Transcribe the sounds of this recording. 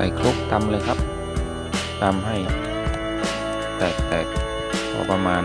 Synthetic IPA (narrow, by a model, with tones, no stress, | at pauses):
a̰ː˧˩jkʰu˦˥k̚t̪a˧mlɤː˧jkʰa˦˥p̚ | t̪a˧mɦa˥˩j | t̪ɛː˨˩k̚t̪ɛː˨˩k̚ | kʰɔ̰ː˧˩pa˧maː˧